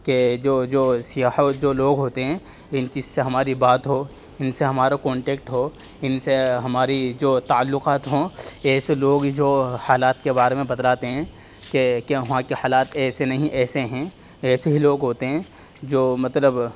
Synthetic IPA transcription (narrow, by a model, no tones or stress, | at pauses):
ked͡ʒoːd͡ʒoːsɪjaːhd͡ʒoːloːɡɦoːt̪eɦɛ̃ː | ɪnt͡ʃiːzseɦɐmaːɾibaːt̪ɦoː | ɪnseɦɐmaːɾakɔ̃ːɳʈeːk̚ʈɦoː | ɪnseɦɐmaːɾid͡ʒoːt̪aəlːʊqaːt̪ɦoːɛːseloːɡd͡ʒoːhaːlaːt̪kebaːɾemẽbɐd̪laːt̪eɦɛ̃ː | kekeɦʋãkehaːlaːt̪ɛːsenɐɦĩʔɛːseɦɛ̃ | ɛːseɦiloːɡɦoːt̪eɦɛ̃ː | d͡ʒoːmɐt̪ləb